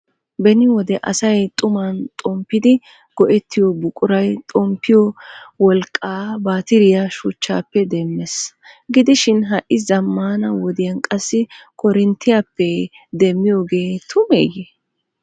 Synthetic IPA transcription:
bɛnɪwɔd̪ɛʔɐsɐjt̪ʼʊmɐnt̪ʼɔmpːɪd̪ɪ | ɡ̥ɔʔɛt̪ʰːɪjɔbʊkʼʊɾɐjt̪ʼɔmpːɪjɔwɔlkʼːaːbaːt̪ɪɾɪjɐʃʊt͡ʃːa̰ːpːɛd̪ɛmːɛs | ɡɪd̪ɪʃɪnɦɐʔɪzɐmːaːnɐwɔd̪ɪjɐnkʼɐsːɪkʰɔɾɪnt̪ːɪjapːɛ | d̪ɛmːɪjoːɡe̞ːt̪ʰʊmḛːjɛ

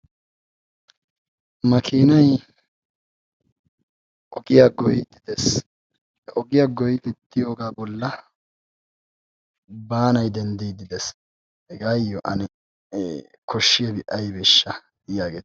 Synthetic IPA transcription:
mɐkʰiːnɐj | ʔɔɡɪjaɡɔjɪd̪ɪd̪ɛs | hɛʔɔɡɪjaɡɔjt̪ɪt̪ːɪjoːɡaːbɔlːɐ | baːnɐjd̪ɛnd̪ijd̪ɪd̪ɛs | hɛɡaːjːɔʔɐ̰nɛ | kʰɔʃːɪjɛbɪʔɐjbɛʃːɐ | jaːɡeːt̪

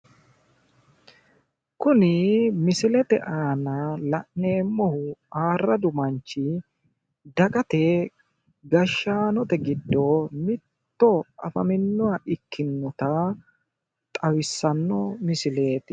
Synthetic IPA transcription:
kʊnɪmɪsɪlɛt̪ɛʔaːnɐlɐʔne̞ːmːɔhʊaːrːɐd̪ʊmɐnt͡ʃːɪ | d̪ɐkʼɐt̪ɛ | ɡɐʃːaːnɔt̪ɛɡɪd̪ːɔmɪt̪ːɔɐ̰fɐmɪnːʊwaʔɪkʰːɪnːɔt̪ɐ | t̪ʼɐwɪsːɐnːɔmɪsɪle̞ːt̪ɪ

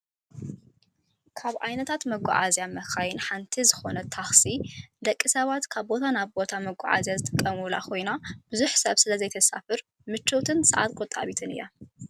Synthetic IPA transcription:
kʰaβʕajnɐt̪ʰat̪mɐɡʷɔ̰ʕazjamɐxajɪnħant̪ʰizɨxo̞nɐt̪ʰaxsid̪ɐkʼːisɐβat̪kʰaβbo̞t̪ʰanaβbo̞t̪ʰamɐɡʷa̰ʕa̰zjazɨt̪ʼɨkʼːɐmula̰kʰo̞jnab̥ɨzuħsɐβsɨlɐzɐjt̪ʰɐsa̰fɨɾ | mɨt͡ʃːot̪ʰɨnsɨ̰ʕa̰t̪kʼot̪ʼːa̰βit̪ʰɨnɨ̰jːa̰

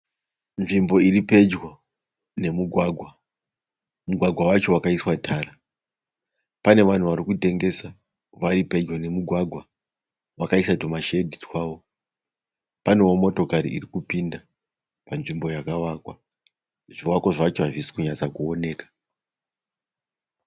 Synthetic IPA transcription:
nʐimbo̞iɾipe̞d͡ʒwo | ne̞muɡʱwaɡʱwa | muɡʱwaɡʱwawat͡ʃo̞wakaiswatʰaːra | pane̞ʋan̤uʋaɾikute̞ŋɡe̞sa | ʋaɾipe̞d͡ʒwane̞muɡʱwaɡʱwa | ʋakaisatomaʃedʱitkwaːwo̞ | pane̞wo̞mo̞to̞kaɾḭirikupinda | panʐimbo̞jakawakwa | ʐiwakwoʐat͡ʃoaʐisi̥kuɲat͡sakuone̞ːkḁ

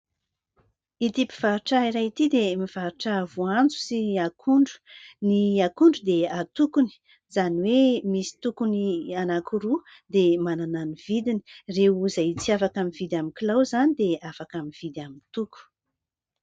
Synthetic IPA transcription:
it̪ipiv̥aɾuʈ͡ʂaiɾat̪id̪emiv̥aɾuʈ͡ʂavuand͡zu̥siakuɳɖ͡ʐu̥niakuɳɖ͡ʐud̪eat̪ukuni̥ | zaniwemisi̥t̪ukunianakʰuɾu | d̪emanananiv̥id̪ini̥reuzat͡siafakamivid̪ʲamikilawzanid̪eafakamiv̥id̪amint̪uku̥

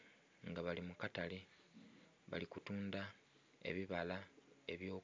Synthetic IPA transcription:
ŋɡaβalimukatali | βa̰likutuːnda | e̞̰βiβalae̞̰βjo̞ː

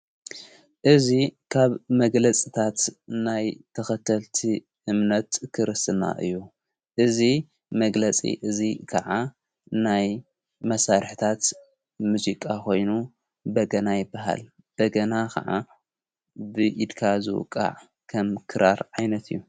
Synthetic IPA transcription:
ʔɨzikʰaβmɐɡlɐt͡sʼit̪ʰat̪najt̪ʰɐxɐt̪ʰɐlt̪ʰi | ʔɨmnɐt̪kʰɨɾɨsɨna̰ʔɨ̰jːu | ʔɨzi | mɐɡlɐt͡sʼḭʔɨzikʰɐʕa | naj | mɐsaɾħt̪ʰat̪ | muzikʼakʰo̞jnu | bɐɡɐnajɪbːaɦa̰l | b̥ɐɡɐnakʰɐ̰ʕa̰ | bɨʔid̪kʰazɨ̰w̰kʼːa̰ʕ | kʰɐmkʰɨɾaɾʕajnɐt̪ɨjːu

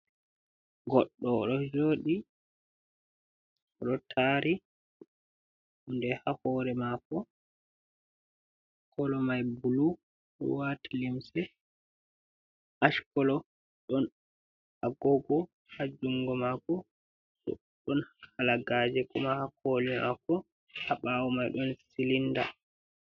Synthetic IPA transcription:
ɡɔɗːɔɗɔd͡ʒoːɗi | ɗɔtʰaːɾi | undɛhahɔːɾɛmakɔ | kɔlɔmajbulu | ɗɔ̰watalimsɛ | ʔaʃkɔlɔ | ɗɔn | aɡɔɡɔ | had͡ʒuŋɡɔmakɔ | ɗɔ̰ | ɗɔnhalaɡad͡ʒɛkɔmahakʰoːlima̰kɔ | haɓawɔmajɗɔnsilinda̰

